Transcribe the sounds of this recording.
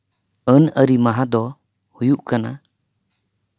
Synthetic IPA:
ənəɾimaɦad̪ɔ | hujuʔkana̰

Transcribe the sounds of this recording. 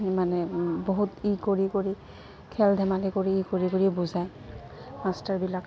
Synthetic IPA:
manɛboɦutikoɹikoɹi | kʰɛldʱɛmalikoɹiikoɹikoɹibuzaj | mastaɹbilak

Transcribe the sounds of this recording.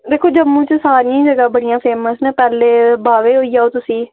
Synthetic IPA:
d̪eːkʰoːd͡ʒəmːũːt͡ʃsaːɾiĩːd͡ʒəɡaːbəɽijãːpʰeːməsnẽːpɛːleːbaːʋeːɦoːiːaːoːt̪ʊsiː

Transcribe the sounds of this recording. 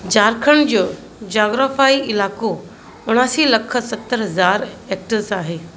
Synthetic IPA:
d͡ʑaːɾkʰəɽ̃d͡ʑoː | d͡ʑaːɡɾaːfaːiɪlaːko | ʊɽ̃aːsiːlɐkʰə̆sɐt̪ːəɾɦɐzaːɾek̚ʈəɾsaːɦeː

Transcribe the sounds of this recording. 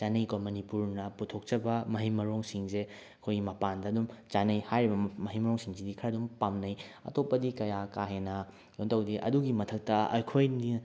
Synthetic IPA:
t͡ʃanɐjkomɐnipuɾnɐputʰok̚t͡ʃɐbɐmɐɦimɐɾoŋsiŋse | ɐkʰojɡimɐpandɐːdumt͡ʃanɐjhajɾibɐmɐɦimɐɾoŋsiŋsidikʰɐɾɐdumpamnɐjɐ̰topːɐdikɐjakaɦenɐ | jontʰɐwdiʔɐ̰duɡimɐtʰɐk̚tɐɐ̰jkʰojni

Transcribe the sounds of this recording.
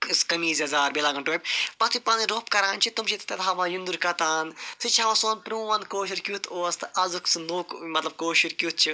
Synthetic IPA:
skɐmiːzɐzaːɾbeːlaːɡɐɳʈob̚ʲpɐt̪ʰipɐːniɾoːpkɐɾaːnt͡ʃʰit̪umt͡ʃʰit̪t̪ɐt̪ɦɐmãjund̪uɾkɐt̪aːnsɨt͡ʃʰiɦɐmasoːnpɾimuʋɐnkoːʃiɾkʲjut̪ʰoːst̪ɨɐzuksnoːkmɐt̪lɐb̚koːʃiɾkʲjut̪̚t͡ʃʰi

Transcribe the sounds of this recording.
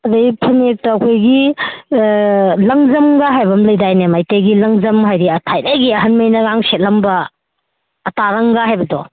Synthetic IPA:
ɐdɐipʰɐnek̚tɐːkʰojɡi | lɐŋzɐmɡaɦajbɐmlɐjdajnemajtejɡilɐŋzɐmɦajɾiɐtʰajnajɡiɐɦɐnmɐjnɐɡaŋset̚lɐmbɐː | taɾɐŋɡaɦajbɐdɔ

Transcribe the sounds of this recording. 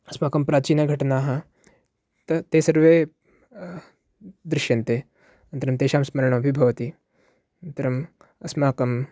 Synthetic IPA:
ɐsmaːkɐmpɾaːt͡ʃiːnɐɡʱɐʈɐnaːɦɐ̆ | t̪ɐt̪eːsɐɾʋeː | d̪ɾɪʃjɐnt̪eː | ɐnt̪ɐɾɐmt̪eːʃaːmsmɐɾɐɳɐɐbʱibʱɐʋɐt̪i | ɐnt̪ɐɾɐm | ɐsmaːkɐm

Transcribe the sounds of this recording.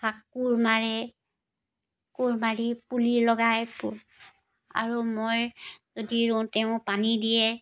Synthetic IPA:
pakːuɹmaɹɛ | kuɹmaɹipuliɹlɔɡajpṵɹ | a̰ɹumojzodiɹũtɛʊ̃panidijɛ

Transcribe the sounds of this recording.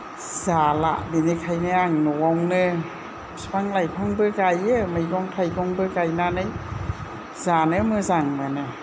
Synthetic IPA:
z̥ala̰ʔbinɯkʰajnɯaŋnɔwawnɯ | spaŋlajpʰaŋbɯɡajɯmɯjɡɔŋtʰajɡɔŋbɯɡajnanɯj | z̥anɯmɯzaŋmɯnɯ

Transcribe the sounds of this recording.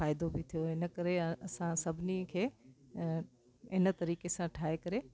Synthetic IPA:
faːɪd̪obɪt̪ʰijoɦɪnə̆kɐɾeɐsãsɐbʱɪnikʰeː | ɪnə̆t̪ɐɾiːkesãʈʰaːɦekɐɾe

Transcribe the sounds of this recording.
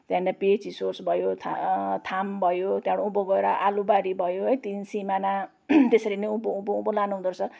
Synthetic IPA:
t̪jãndapet͡sisorsbʱʌjot̪ʰat̪ʰambʱʌjot̪jãɽouboɡʌeɾʌʔalubaɾibʱʌjoɦʌjt̪insimana | t̪esʌɾineupoupoupolanuɦũd̪uɾsʰʌ

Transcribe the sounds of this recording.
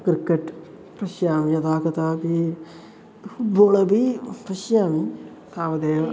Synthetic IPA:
kɾkːeʈ | pɾɐʃjaːmijɐd̪aːkɐt̪aːbi | fuʈ̚boːlɐbipɾɐʃjaːmi | t̪aːʋɐd̪eːʋ

